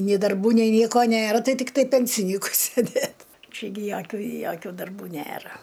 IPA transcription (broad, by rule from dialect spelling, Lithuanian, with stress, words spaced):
nʲeː dɐrˈbuː nʲɛɪ ˈnʲiɛkoː ˈnʲeːrɐ ˈtɐɪ ˈtʲɪktɐɪ ˈpʲɛnʲsʲɪnʲiːkʊɪ sʲeːˈdʲeːt ˈt͡ʃʲɛ ɡʲɪ ˈjoːkʲʊ joːˈkʲuː dɐrˈbuː ˈnʲeːrɐ